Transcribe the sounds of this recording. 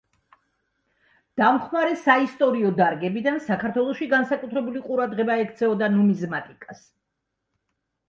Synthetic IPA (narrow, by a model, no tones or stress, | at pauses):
d̪̥amχmaɾɛsaist̪ʼɔɾiɔd̪aɾɡɛbid̪ansakʰaɾt̪ʰwɛlˠɔʃiɡansakʼut̪ʰɾɛbuliqʼuɾad̪ʁɛbaɛkʰt̪sʰɛɔd̪anumizmat̪ʼikʼas